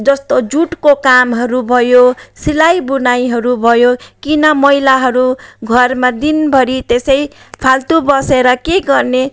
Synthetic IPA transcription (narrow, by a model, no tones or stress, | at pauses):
d͡zʌst̪od͡zuʈkokamɦʌɾubʱʌjosilajbunajɦʌɾubʱʌjokinʌmʌjlaɦʌɾuɡʱʌrmad̪inbʱʌɾit̪esʌj | pʰalt̪ubʌseɾʌkeɡʌrne